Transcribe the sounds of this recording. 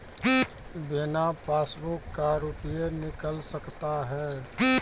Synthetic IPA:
bɪnapʰaːsbʊkːaɾupijenɪkəlsəkt̪aɦɛː

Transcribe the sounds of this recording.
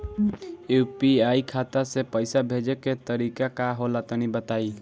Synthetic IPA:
upiaikʰat̪asepəɪsabʱed͡ʒeket̪əɾikakaɦolat̪ənibət̪ai

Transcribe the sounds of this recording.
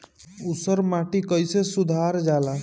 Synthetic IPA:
usəɾmaʈikəjsesud̪ʱaɾd͡ʒala

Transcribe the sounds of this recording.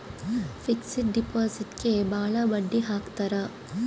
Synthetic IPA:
fiksiʈ̚ɖipaːsiʈkebaːɭɐbɐɖːiɦaːkt̪ɐɾɐ

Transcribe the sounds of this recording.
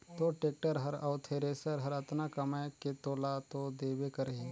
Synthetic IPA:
t̪oʈeːk̚ʈəɾɦɐɾaʊt̪ʰeɾeːsəɾɦəɾɐt̪nakɐmaket̪oːlat̪od̪eːbekəɾɦe

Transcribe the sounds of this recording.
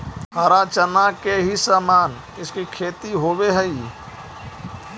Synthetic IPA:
ɐɾaːt͡ʃənakeɦisaːmaːn | ɪskikʰeːt̪iɦoːweɦəi

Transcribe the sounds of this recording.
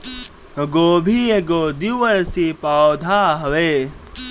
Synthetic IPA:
ɡoːbʱiːeɡoːd̪iʋəɾsiːpaːod̪ʱaːɦɐʋeː

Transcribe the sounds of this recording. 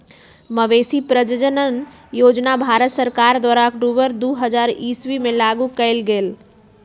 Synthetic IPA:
məʋesipɾəd͡ʒəd͡ʒənən | joːd͡ʒnabʱaɾət̪səɾkaɾd̪waːɾakɖuʋəɾd̪uːɦəd͡ʒaɾiswimẽlaɡukəɪlɡeːl

